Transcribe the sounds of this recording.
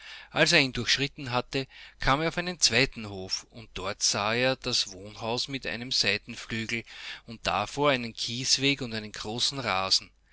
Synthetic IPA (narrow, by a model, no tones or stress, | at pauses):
ʔalseːiːndʊɐxʃʁɪtn̩ɦatəkʰaːmeːɐʊfæɪnənt͡sv̥æɪtn̩hoːfʊnt̚d̥ɔɐtsaːeːɐd̥asv̥oːnɦaʊsmɪtæ̰ɪnəmzæɪtn̩flyːɡl̩ʊnt̚d̥a̰foːɐæɪnənkʰiːsv̥eːkʊntæɪnənɡ̥ʁoːsn̩ʁaːzn̩